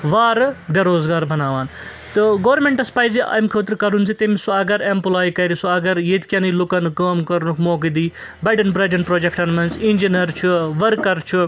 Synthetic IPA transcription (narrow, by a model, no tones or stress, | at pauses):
ʋaːɾbʲeɾoːzɡaːɾbʱɐnaːʋaːn | t̪ɨɡoːɾmeɳʈɐspaːjziʔɐ̰jmkʰəːt̪̬ɾkɐɾunt͡sʰit̪emisuɐɡɐɾempulaːjkɐjɾisuɐɡɐɾjet̪kʲɐnɨlukɐnkɐːmkɐɾnukʰmoːkid̪iː | bɐʈɐnpɾɐd͡ʒɐnpɾoːd͡ʒekʰʈɐnmɐnzinʲd͡ʒinɐɾt͡ʃʰuʋɐɾkːɐɾt͡ʃʰu